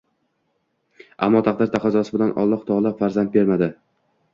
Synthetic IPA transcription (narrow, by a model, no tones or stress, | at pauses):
ʔa̰mːɒt̪ʰaqd̪ɪɾt̪ʰaqʰɑzɒsɪbɪlanʔɒ̰lˠːɒqt̪ʰɒʁlˠapfaɾzand̪̚be̞ɾmad̪ɪ